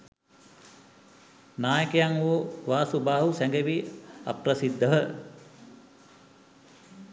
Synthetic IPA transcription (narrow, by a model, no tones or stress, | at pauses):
naːjəkejaŋoʋaːsubaːɦusæŋɡeʋia̰prɐsid̪ʱːəɦə